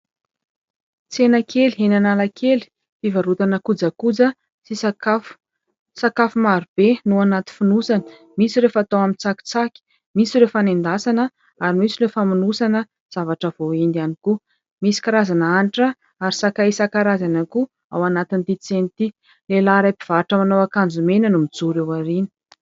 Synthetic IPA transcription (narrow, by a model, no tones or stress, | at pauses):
t͡senakʰeliɦenanalakʰeli̥ | fivaɾut̪anəkud͡zəkud͡zə | t͡sisakaf | sakafumaɾub̥enuanat̪i̥funusanə̥ | misiɾefat̪awamit͡saki̥t͡sakʲi̥ | misiɾefanend̪asanə | aɾimisiɾefaminusanə | z̥avaʈ͡ʂəv̥oend̪ianiku | misi̥kaɾazanəaniʈ͡ʂə | aɾisakaisakaɾazanəku | a̰wanat̪int̪it͡senit̪i | lelaɾajpiv̥aɾʈ͡ʂəmanowakand͡zumenənumid͡zuɾewaɾini̥